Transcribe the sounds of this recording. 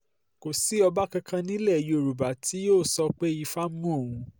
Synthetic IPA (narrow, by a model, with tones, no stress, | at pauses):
ko˨si˨˦ɔ˧ba˦kã˧kʰã˧nĩ˦lɛ˦˨jo˨ɾu˨ba˨˦tʰi˨˦joː˦˨sɔ˧k͡pe˦i˧fa˦m˦ũ˦o˦˨ũ˧